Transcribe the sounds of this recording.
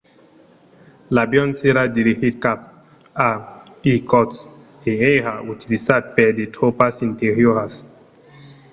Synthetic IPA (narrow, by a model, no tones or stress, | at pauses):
labjɔnseɾadiɾihitkap̚ | a | ikɔts | eehaʔutilisat̪̚pɛdetʰopasinteɾjohas